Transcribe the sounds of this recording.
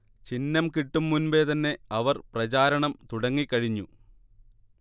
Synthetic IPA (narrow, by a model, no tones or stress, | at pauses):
t͡ɕinːɐmkiʈːumːunbe̞ːt̪ɐnːe̞ɐʋɐrprɐt͡ɕaːɾɐɳɐmt̪uɽɐŋːikʲːɐɻiɲːu